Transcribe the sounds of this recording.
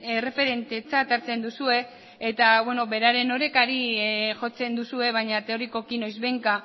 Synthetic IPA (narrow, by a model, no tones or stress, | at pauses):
ere̞fe̞ɾe̞nt̪e̞t͡sat̪aɾt͡se̞nd̪usue̞ː | t̪aβwe̞no̞be̞ɾaɾe̞no̞ɾe̞kaɾiʝo̞t͡se̞nd̪usue̞β̞ajɲat̪e̞o̞ɾiko̞kino̞jzβe̞ŋka